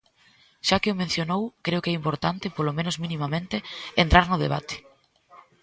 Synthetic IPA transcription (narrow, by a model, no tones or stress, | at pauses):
ʃakɪomẽn̟θjonowkɾeʊkɛimpoɾt̪ant̪ɪpolomẽnʊzminimamẽnt̪ɪent̪ɾaɾnʊð̞ḛβ̞a̰t̪ɪ̥